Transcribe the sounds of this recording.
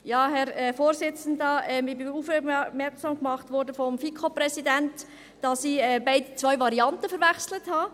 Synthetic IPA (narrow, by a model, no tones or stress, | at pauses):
jɑːɦɛɾɛfoːɾsɪt͡sən̩dɑʔɛmɪbɪuːfɛmɛɾksɑmkmɑχtʋɔɾdəfɔmfikʰopɾɛsidɛnt | d̥ɑsiɛbaɪdət͡sʋvœʏvɑɾiɑntəfəɾʋɛχsləthɑ